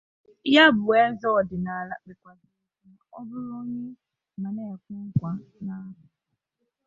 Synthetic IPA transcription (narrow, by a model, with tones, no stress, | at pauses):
ja˦bʊ˨e˦zɔ˦ɔ˨dɪ˨na˨la˦bɪ˨kʷa˨zɪ˨˦n˦a˨ɔ˦bʊ˦ɾɔ˦ɲe˦ | na˨ne˦˨kʊ˦ŋ̩˦kʷa˨na˦ɦʊ˨